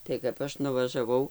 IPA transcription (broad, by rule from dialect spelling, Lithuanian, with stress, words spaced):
tɐɪ kɐp ˈɐʃ nʊʋɐʒɐˈʋɐʊ